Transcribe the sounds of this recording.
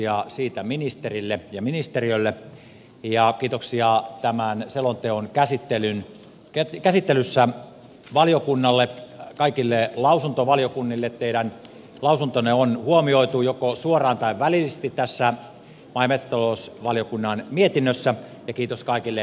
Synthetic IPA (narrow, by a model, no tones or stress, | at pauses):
iɑsiːt̪æminist̪erilːejɑminist̪eriølːe | jɑkiːt̪oksiɑt̪æmænselont̪eonkæsit̪ːelyn | ket̪kæsit̪ːelysːæ | ʋɑljokunːɑlːekɑikilːelɑusunt̪oʋɑljokunːilːet̪t̪eiɾæn | lɑusunt̪oneonhuomioit̪ujokosuorɑːnt̪ɑiʋʋæliist̪it̪t̪æsːæ | mɑimet̪st̪ɑlousʋɑlijokunːɑnmiet̪inːøsːæ | jɑkiːt̪oskɑikilːe